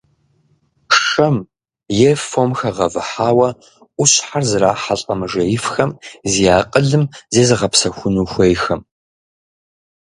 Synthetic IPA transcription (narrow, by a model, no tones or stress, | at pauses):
ʂɐm | jɛfomxɐʁɐvɨħaːwɐ | ʔʷʊɕħarzɨɾaːħaɬʼɐmɨʒɐjɪfxɐmzijaːqʼəɮɨmzeːzɨʁɐpsɐxʷʊnuːxʷejxɐm